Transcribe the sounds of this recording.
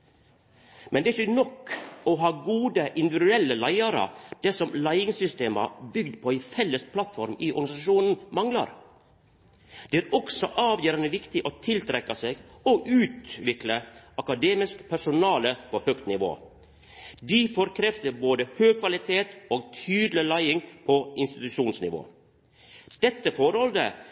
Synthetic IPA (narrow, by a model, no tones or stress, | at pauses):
mʔɛnd̪ɛæɾɪçənɔkːɔɦɑːɡuːd̪əʔɪnd̪ɪʋɪd̪ʉɛlːəlæɪɑɾə̰d̪̥ɛsɔmlæɪɪŋsʏst̪eːmɑ̰bʏɡd̪pʰɔæɪfɛlːəspʰlɑt̪fɔɾmɪʔɔ̰ɾɡɑnɪsɑʃuːnn̩mɑŋlɑ̰ɾ | d̪̥ɛæːɾɔksɔʔɑːʋjøːɾɑnəʋɪkt̪ɪʔot̪ʰɪlt̪ʰɾɛkːɑseːɡɔʔʉːt̪ʋɪkləɑkɑd̪eːmɪskpʰæʂʊnɑːləpʰohøːkt̪nɪʋo̰ː | d̪ɪfɔɾkʰɾɛft̪əɾboːd̪əhøːɡ̚kʰʋɑlɪt̪ʰeːt̪oːɡt̪ʰyːd̪lɪlæɪɪŋpʰɔɪnst̪ɪt̪ʉʃuːnsnɪ̰ʋo̰ː | d̪̥ɛt̪ːəfɔɾhɔld̪ə̰